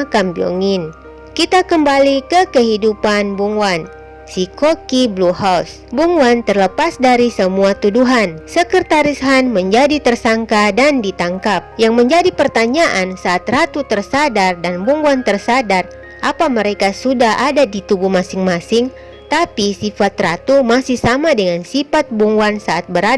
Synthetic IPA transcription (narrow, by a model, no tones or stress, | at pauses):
kambio̰ŋɪn | kit̪akəmbalikəkəɦidupanbuŋwan | sikokibluhaws | buŋwant̪ərləpasdaɾisəmuat̪uduɦansəkərt̪aɾisɦanməɲd͡ʒadit̪ərsaŋkadandit̪aŋkap̚jaŋməɲd͡ʒadipərt̪aɲaʔansaːt̪rat̪ut̪ərsadardanbuŋwant̪ərsadar | ʔapaməɾekasudahʔadadit̪ubuhmasɪŋmasɪŋ | t̪apisifat̪rat̪umasɪhsamadəŋansifat̪̚buŋuansaʔat̪̚bəɾa